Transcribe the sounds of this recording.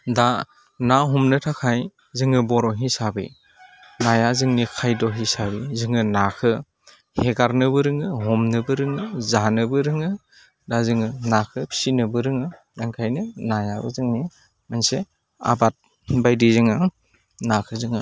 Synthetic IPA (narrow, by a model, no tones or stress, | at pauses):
da | naɦɔmnɯtʰakʰaj | zɯŋɯbɔɾɔɦisabḭ | najazɯŋnikʰajdɔɦisabizɯŋɯnakʰɯ | heɡaɾnɯbɯɾɯŋɯɦɔmnɯbɯɾɯŋɯzanɯbɯɾɯŋɯ | dazɯŋɯnakʰɯpʰi̥sinɯbɯɾɯŋɯ | daŋkʰajnɯnajabɯ̰zɯŋni | manse | a̰bat̚ | bajdizɯŋɯ | nakʰɯzɯŋɯ